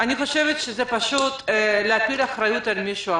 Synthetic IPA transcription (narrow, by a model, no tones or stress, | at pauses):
aniχo̞ʃevet̪ʃezepaʃut̪leapilaχɾajut̪almiʃua